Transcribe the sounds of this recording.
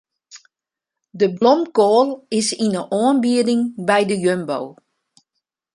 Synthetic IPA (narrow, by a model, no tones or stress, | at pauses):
dəblɔmkoːlˠɪsinəʔɔənbiədɪŋbɛjdəjømbow